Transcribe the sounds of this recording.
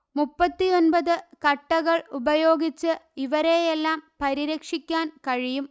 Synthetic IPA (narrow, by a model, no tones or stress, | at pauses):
mupːɐt̪ːionbɐðɨkɐʈːɐɣɐɭubɐjo̞ːɡit͡ɕːɨiʋɐɾejelːaːmpɐɾiɾɐkʂikʲːaːnkɐɻijum